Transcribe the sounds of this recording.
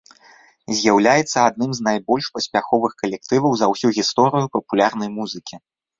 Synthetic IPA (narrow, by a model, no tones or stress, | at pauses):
zʲjawlʲajɛt̪sːɐad̪nɨmznajbɔlʲʂpɐsʲpʲaxɔvɨxkɐlʲɛk̚t̪ɨvɐwzɐwsʲuɣʲist̪ɔɾɨjupɐpulʲarnɐjmuzɨkʲi